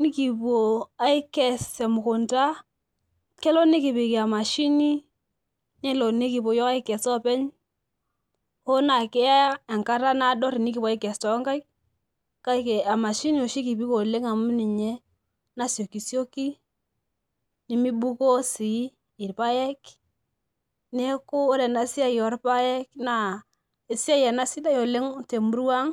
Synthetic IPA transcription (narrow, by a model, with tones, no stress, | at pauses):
ni˦ki˨pu˨o˨a˨i˦kɛ˨se˨mʊ˨kʊ˨nta˦ | kɛ˦lɔ˦ni˦ki˨pi˨ki˨a˨ma˨ʃi˦ni˦ | nɛ˦lɔ˨ni˦ki˨po˨jɔ˦ka˦i˦kɛ˨sɔ˦pɛ˦ɲ | ho˦na˨kɪ˦a˦e˨ŋka˦ɾa˦na˦dɔ˦ɾi˨ni˦k̬i˨pwa˨ɪ˦kɛ˨stɔ˨˦ŋka˦jk | ka˦ke˨a˨ma˨ʃi˦no˨ʃi˦ki˨bi˦ko˨le˦ŋa˨mu˦ni˨ɲɛ˦ | na˦sjo˨ki˨sjo˦ki˦ | ni˦mi˦bu˦ko˦si˨˦ | ɪ˨ɾpa˦jɛ˦k | ne˦ko˦o˦ɾɛ˨na˨si˦a˦jɔ˨˦ɾpa˦jɛ˦kna˨ | e˨si˦a˦jɛ˨na˦si˦da˦jo˨le˦ŋte˨mu˨˦ɾu˦a˦ŋ